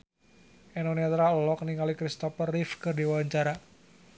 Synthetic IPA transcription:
ɛnoniat̪ɾalɔk̚niŋalikɾist̪ɔpərifkərdiwaɲt͡ʃaɾa

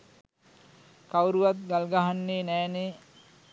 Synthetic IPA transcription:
kawɾuʋat̪̚ɡalɡaɦanːeːnɛːne

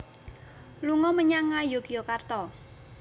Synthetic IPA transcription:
luŋɔməɲaŋajokijokart̪ɔ

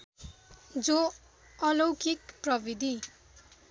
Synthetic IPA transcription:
d͡zo | ʌlowkikprʌbid̪ʱi

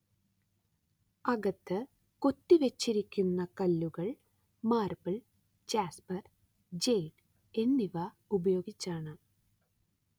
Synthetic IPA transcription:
ɐɡɐt̪ːɨ | kot̪ːiʋet͡ɕːiɾikʲːunːɐkɐlːuɣɐɭ | maːrbɐɭ | d͡ʑaːspɐr | d͡ʑejʈ | e̞nːiʋɐ | ubɐjo̞ːɡit͡ɕːaːɳɨ

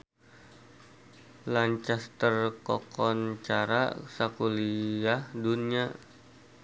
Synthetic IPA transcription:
laɲt͡ʃast̪ərkɔkɔnt͡ʃaɾa̰sakuliahdunia

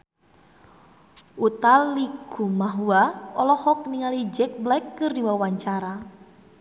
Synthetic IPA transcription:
ut̪alikumaɦuaɔlɔhɔk̚niŋalid͡ʒɛk̚blɛkːɨrdiwawaɲt͡ʃaɾa

